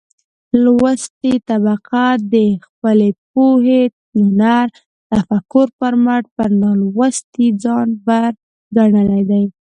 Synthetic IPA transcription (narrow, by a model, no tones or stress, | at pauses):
lwəst̪it̪abaqad̪əxpəlep̚oɦet̪inaɾ | t̪afakːʊɾpəɾmaʈpəɾnɑlwəst̪id͡zɑnbaɾ | ɡaɳəlajd̪aj